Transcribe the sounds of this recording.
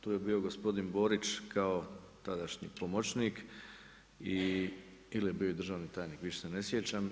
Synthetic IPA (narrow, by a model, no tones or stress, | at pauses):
t̪uːje̞bio̞ɡo̞spo̞d̪inbo̞ːɾit͡ʃkʰaot̪ad̪aʃɲḭpomot͡ɕniːk | i | ilje̞biːoid̪ɾr̩ʒaːʋnit̪aːjniːkʋiʃesene̞sjet͡ɕam